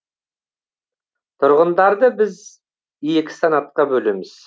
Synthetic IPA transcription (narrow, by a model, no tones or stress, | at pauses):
t̪ʰʊɾʁənd̪ɑɾd̪əbɪz | ije̞kʲɪ̥sanɑt̪̚qɑbɵle̞mɪz̥